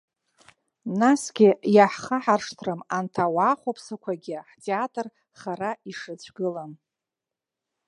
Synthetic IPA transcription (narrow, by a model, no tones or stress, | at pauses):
nasɡʲijaħχaħarʂtʰrɨmantʰawaːχʷopʰsakʷʰaɡʲɪaħtʰʼeatʼr | χaraiʂɨt͡ɕʷʰɡɨlan